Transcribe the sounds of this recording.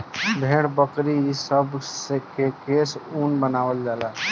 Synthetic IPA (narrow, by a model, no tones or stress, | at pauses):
bʱeɽbəkɾisəbsekekesunbənawəld͡ʒala